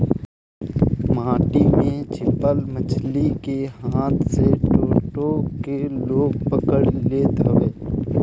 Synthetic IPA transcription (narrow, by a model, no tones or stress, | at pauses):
maːʈimẽt͡ʃʰɪpəlmət͡ʃʰlikehaːt̪seʈoːʈokeloːɡ̚pəkəɽleːt̪əʋeː